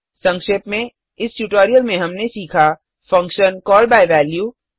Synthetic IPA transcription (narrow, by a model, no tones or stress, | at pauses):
sɐ̃ŋkʃeːpmẽ | ɪsʈjuːʈoːɾijəlmẽɦɐmnesiːkʰa | fɐ̃ŋkʃənkɔːlbaːɪʋɛːljuː